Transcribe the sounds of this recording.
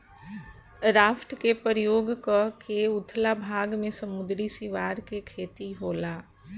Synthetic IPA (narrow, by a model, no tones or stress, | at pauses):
ɾaːfʰʈkepəɾjoːɡkəkeʊt̪ʰlabʱaːɡmẽsɐmʊd̪ɾisiʋaːɾkekʰeːt̪iɦoːlaː